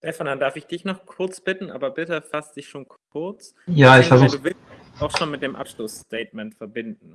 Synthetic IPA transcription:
ʃtɛfanandaɐfɪçd̥ɪçnɔχkʰʊɐt͡sb̥ɪtn̩ʔa̰ːbɐbɪtəfastd̥ɪçʃoːnkkʰʊɐt͡s | jaːɪçfɛɐzuːχduːvɪlstɪ | aʊxʃoːnmɪt̚d̥eːmʔa̰pʃlʊstɛːtmɛntfɛɐbɪndn̩

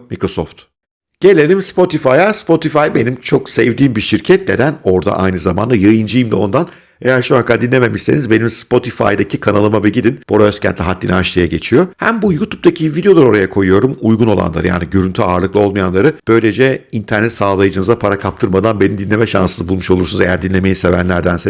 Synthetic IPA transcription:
mikɾo̞soft̪ | ɟ̥e̞lʲe̞lʲimspo̞t̪ʰifajaspo̞t̪ʰifajbe̞nimt͡ʃʰo̞ksevd̪iːmbiʃiɾcʰɛt̪̚ned̪æno̞ɾd̪a̰ʔa̰jnɯzama̰nd̪ajɯjɯnd͡ʒɯjimd̪ɛo̞nd̪an | e̞jæɾʃoakad̪inlʲeme̞miʃsenizbe̞nimspo̞t̪ʰifa̰jd̪acʰikʰanalˠɯmabɯɟid̪inb̥oɾaøscʰæ̰nt̪lʲiɦat̪ːʲḭnaʃlˠajaɟe̞t͡ʃʰijo̞hæmbujut̪ʰup̚t̪acʰivid̪ejo̞lˠaɾo̞ɾajakʰo̞jujo̞ɾumujɡuno̞lˠa̰nˠa̰ɾɯ̰ja̰ːniɟøɾynt̪ʰyaːɾlˠɯklˠɯo̞lˠmajanlˠaɾɯb̥ø̞jlʲe̞d͡ʒɛint̪ʰæɾnɛt̪saːlˠajɯd͡ʒɯnɯzapʰaɾakʰap̚t̪ʰɯɾmad̪anbe̞nimd̪inʲe̞mɛʃa̰nsɯnɯbulˠmuʃo̞lˠuɾsunuzejæ̰ɾd̪inlʲe̞me̞jise̞væ̰nlʲæɾd̪ænse

